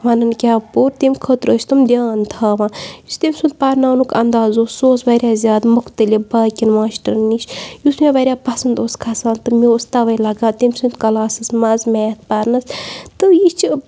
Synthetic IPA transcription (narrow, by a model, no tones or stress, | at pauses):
ʋɐnɐnkʲaːpuːɾt̪emʲkʰət̪ɾəːt͡ʃʰʲt̪umd̪ʲjaːnt̪ʰaːʋãːjust̪emʲsund̪̚pɐɾnaːnukɐnd̪aːzoːsoːsʋɐɾʲjaːzʲjaːd̪mukʰt̪ɨlʲibaːkʲinʋãːʃʈɾɨnːiʃjusmʲeʋɐɾʲjaːpɐsɐnd̪oːskʰɐsãːnt̪ɨmiost̪ɐʋɐjlɐɡãːt̪emʲsund̪kɐlaːsɨsmɐzmʲaːjɐt̪̚ʰpɐɾnɐst̪ɨjit͡ʃi